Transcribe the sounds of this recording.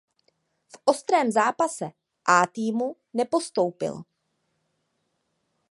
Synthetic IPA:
fʔo̞st̪ɾɛːmzaːpasɛ | ʔaːt̪iːmu | nɛpo̞st̪o̞wpɪ̰l

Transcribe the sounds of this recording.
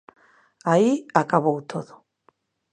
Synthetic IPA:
aiakʼaβowt̪ʰoðo

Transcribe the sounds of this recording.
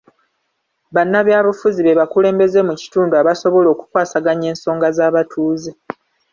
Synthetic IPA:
βanːaβjaːβufuziβeβakule̞ːmbe̞ze̞muci̥tuːnduaβaso̞βo̞lo̞ːku̥kwaːsaɡaɲe̞ːnso̞ːŋɡazaːβatʰuːzi

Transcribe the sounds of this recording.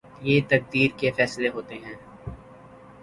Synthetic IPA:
jeːt̪ɐk̚d̪iːɾkefɛːsleɦoːt̪eɦɛ̃ː

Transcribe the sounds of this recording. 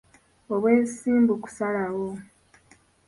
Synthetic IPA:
o̞βwe̞ːsiːmbuku̥salawo

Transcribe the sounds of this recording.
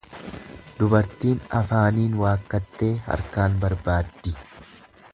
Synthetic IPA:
d̪ʊbɐɾt̪iːnɐfaːniːnwaːkːɐt̪ːe̞ːhɐ̰ɾkaːnbɐɾbaːd̪ːɪ

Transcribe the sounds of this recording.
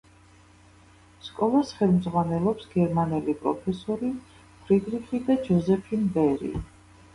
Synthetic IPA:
skʼɔlˠasχɛlˠmd̪zʁwanɛlˠɔpsɡ̥ɛɾmanɛlipʼɾɔ̰pʰɛsɔɾi | pʰɾid̪ɾiχid̪ad͡ʒɔzɛpʰinbɛɾḭ

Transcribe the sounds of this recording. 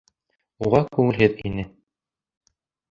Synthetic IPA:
uʁɑkʉŋɘ̆lɦɘðḭnɘ

